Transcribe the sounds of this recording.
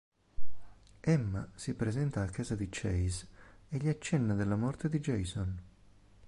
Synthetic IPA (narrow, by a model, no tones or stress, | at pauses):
ɛmːasipɾezɛnt̪aːkːaːzad̪it͡ʃɛjzeʎiat͡ʃːɛnːad̪elːamɔrt̪ed̪id͡ʒɛjson